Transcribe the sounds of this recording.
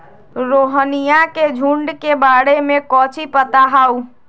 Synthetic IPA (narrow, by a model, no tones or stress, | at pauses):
ɾoɦənijaked͡ʒʱuɳɖkebaɽemekɔt͡ʃʰipət̪aɦau